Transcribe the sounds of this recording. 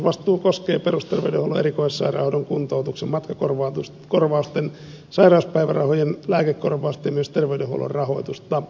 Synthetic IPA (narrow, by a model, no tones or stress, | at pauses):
ʋɑst̪ˑuːkoskeːperust̪erʋeydehouloeɾikoisesɑ̰irɑ̰hodoŋkunt̪out̪uksemmɑt̪kɑkorʋɑt̪u | korʋɑust̪en | sɑirɑˑuspæiʋærɑ̰hojenlæːkekkorʋɑust̪ɑjɑmyøst̪erʋeydeho̰ṵlo̰rrɑho̰it̪ust̪ɑ